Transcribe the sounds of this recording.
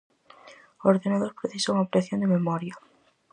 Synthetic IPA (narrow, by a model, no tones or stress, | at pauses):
oɾðenaðoɾpɾeθisauŋapɾeθjond̪ememɔɾja